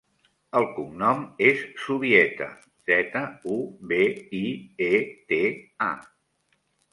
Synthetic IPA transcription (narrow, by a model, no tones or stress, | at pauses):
əlˠkumnɔmesːuβiɛt̪ə̰ | z̥ɛt̪əuβeiet̪ea̰